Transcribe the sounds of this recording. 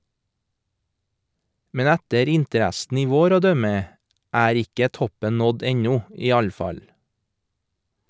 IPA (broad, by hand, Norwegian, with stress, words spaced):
ˈmɛn ˈɛtəɾ ˈɪntəˌɾɛsn̩ ˈiː ˈʋoːɾ ˈoː ˈdœmə ˈæːɾ ˈɪkə ˈtɔpən ˈnɔd ˈɛɲɔ ˈiː ˈɑʎ ˈfɑʎ